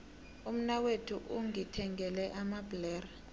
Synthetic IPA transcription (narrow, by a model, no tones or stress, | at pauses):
um̩nawetʰuʔuŋitʰɛŋɡʱɛlɛʔamablɛːra